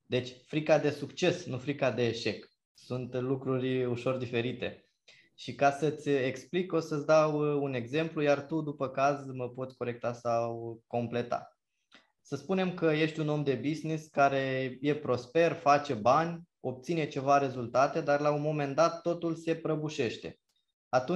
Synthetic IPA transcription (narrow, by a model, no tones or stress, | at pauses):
d̪e̞t͡ʃʲfɾikad̪e̞sukt͡ʃe̞snufɾikad̪e̞ːʃe̞k | sunt̪lukɾurʲuʃo̞rd̪ife̞ɾit̪e̞ | ʃikasət̪sʲe̞kspliko̞sət̪sʲd̪awune̞ɡze̞mplujart̪ud̪upəkazməpo̞t̪ʲko̞ɾe̞k̚t̪asawko̞mple̞t̪a̰ | səspune̞mkəje̞ʃt̪ʲuno̞md̪e̞bizniskaɾe̞je̞pɾo̞spe̞rfat͡ʃe̞banʲ | o̞p̚t̪sine̞t͡ʃe̞vaɾe̞zult̪at̪e̞d̪arlaunmo̞me̞nd̪at̪ːo̞t̪ulse̞pɾəbuʃe̞ʃt̪e̞̰ | at̪u